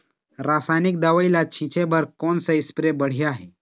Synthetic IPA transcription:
ɾaːsaːjnik̚d̪aʋəilat͡ʃʰĩt͡ʃʰebəɾkɔːnsəɪspɾebəɽ̤ijaɦɛ

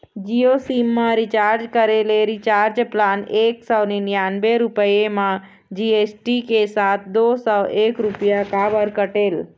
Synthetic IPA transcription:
d͡ʒiosimːãɾit͡ʃaɾd͡ʒkəɾeleɾit͡ʃaːɾd͡ʒplaːneksɔwninijanbeɾʊpəjemã | d͡ʒiesʈikesat̪̚ʰd̪osɔwekɾupijakabəɾkəʈeːl

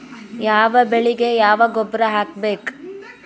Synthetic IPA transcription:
jaːʋɐbeɭiɡe̞jaːʋɐɡobːɾɐɦaːk̚beːk

